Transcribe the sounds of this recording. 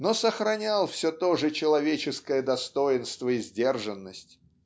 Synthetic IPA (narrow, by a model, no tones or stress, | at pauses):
nosəxɾɐnʲalˠfsʲɵt̪oʐɨt͡ɕɪlˠɐvʲet͡ɕɪskəjəd̪ɐst̪ojɪnst̪vəɪzʲdʲe̞rʐɨnːəsʲtʲ